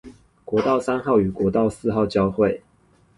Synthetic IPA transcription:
kwɔ˧˥t̪ɑ˥˨ʊsa˦nxɑ˥˨ʊy˨˩kwɔ˨˧˥t̪ɑ˥˨ʊsɹ̩˥˧xɑ˥˨ʊt͡ɕjɑ˥˧ʊxwe˥˨ɪ

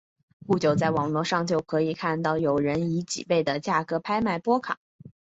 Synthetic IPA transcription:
ku˥˩t͡ɕjo˨˩ʊt͡sa˥˩ɪwɑ˨˩ŋlwɔ˥˧ʂɑ˥˧ŋt͡ɕjo˥˩ʊkʰɤ˧˥i˨˩kʰa˥˧nt̪ɑ˥˩ʊjo˨˩ʊɻə˧˥ni˧˥t͡ɕḭ˨˩pe˥˩ɪd̪ə˩t͡ɕja˥˩kɤ˧˥pʰa˥ɪma˥˩ɪpwɔ˥kʰɑ̰˨˩˦ŋ

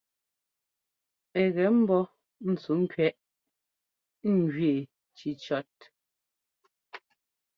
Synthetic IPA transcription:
ɛ˨ɣɛ˨˦m̩˦bɔ˦ | n̩˨t͡su˨˦ŋ̩˦kɥɛ˦ʔ | ŋ̩˨ɡɥe˨ | t͡ʃi˨˦t͡ʃɔ˦t̚

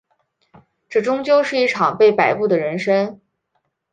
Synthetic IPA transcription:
ʈ͡ʂɤ˥˩ʈ͡ʂʊ˥ŋt͡ɕjo˥˧ʊʂɻ̩˥˧i˥˩ʈ͡ʂʰɑ˨˩ŋpe˥˩ɪpa˨˩ɪpu˥˩d̪ə˩ɻə˧˥nʂə˥ŋ

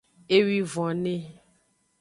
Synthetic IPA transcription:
e˦wi˦vɔ̃˨nẽ˦

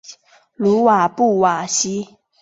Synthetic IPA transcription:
lu˨˦wa˨˩pu˥˨wa˨˩ɕi˦

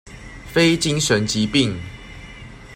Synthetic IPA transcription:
fe˦ɪt͡ɕi˦ŋʂə˨˦nt͡ɕi˨˦pi˥˨ŋ

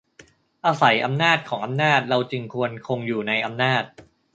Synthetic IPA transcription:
ʔaː˧sa˩˦jʔa˧mnaː˥˩t̪̚kʰɔː˩˦ŋʔa˧mnaː˥˩t̪̚ɾa˧wt͡ɕɯ˧ŋkʰu˧ənkʰo˧ŋjuː˨˩na˧jʔa˧mnaː˥˩t̪̚

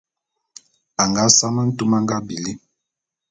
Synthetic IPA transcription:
a˨ŋɡa˦sa˦ma˦n̩˦tu˦ma˦ŋɡa˦bi˨li˦

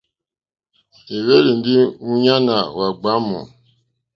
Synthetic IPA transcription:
e˨we˦li˨n̩˨˦di˦u˦ɲa˦na˨wa˨ɡ͡ba˨˦mṵ̃˨

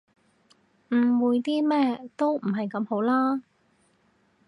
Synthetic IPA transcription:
m̩˨˩wuː˨˧jt̪iː˥mɛː˥t̪o˥wm̩˨˩ɦɐ˨jkɐ˨˥mho˨˧˥wlaː˥

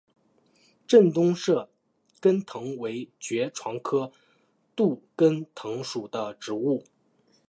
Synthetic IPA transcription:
ʈ͡ʂə˥˩nt̪ʊ˥ŋʂɤ˥˩ | kə˥nt̪ʰɤ˧˥ŋwe˧˥ɪt͡ɕɥɛ˧˥ʈ͡ʂʰwɑ˧˥ŋkʰɤ˥ | t̪u˥˩kə˥nt̪ʰɤ˧˥ŋʂu˨˩d̪ə˦ʈ͡ʂɻ̩˧˥u˥˩

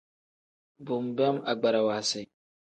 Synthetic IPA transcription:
bʊ˨mbɛ˦ma˨ɡ͡ba˨ɾa˨waː˨sɛ˨

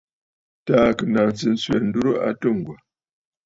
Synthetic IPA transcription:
ta˦˨kɨ˨na˨n˨sɨ˨n̩˦swɛ˨n̩˦du˦ɾo˦ʔa̰˦tɨ˦˨ŋ˨ɡwa˨

